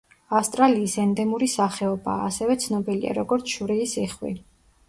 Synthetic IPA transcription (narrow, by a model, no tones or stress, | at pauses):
afst̪ʼɾaliːsɛnd̪ɛmuɾisaχɛɔba̰ːsɛvɛt̪sʰnɔbilia̰ɾɔɡɔɾt̪sʰʃuɾiːsiχwḭ